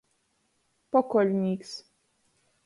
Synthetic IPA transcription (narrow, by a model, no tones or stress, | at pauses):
pɔkɔlniks